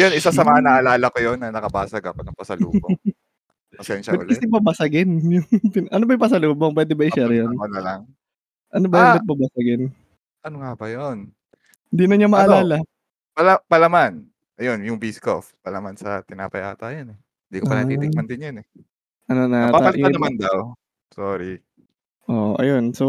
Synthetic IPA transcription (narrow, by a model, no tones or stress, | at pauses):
jonʔɪsasɐmɐŋanɐʔɐlaːlɐkojonːɐnɐkɐbaːsɐɡɐ̰konɐŋpɐsɐlṵːbo | kɐsɛnʃɐɛlkɐsɛbɐbɐsɐɡɪnjʊŋt̪ɪnʔɐnobɐjʊŋpɐsɐluːboŋp̬wɛːd̪ɛbɐʔɪʃɛɾjonɐlalaŋ | ʔɐnobɐjʊɐt̪̚bɐbɐsɐɡɪn | ʔɐnoŋabɐjon | hɪnd̪inɐɲamɐʔɐlaːlɐ | pɐlapɐlaman | ʔɐjonjʊŋbisko̰fpɐlamansɐt̪ɪna̰ːpɐjʔa̰ːt̪ajɐnɛ | ɪnd̪ikopɐnɐit̪ɪɡmɐnd̪ɪnjɐnɛ | ʔɐnonɐaapalɪɐmand̪aw | soːɾi | ʔoʔoʔɐ̰jonso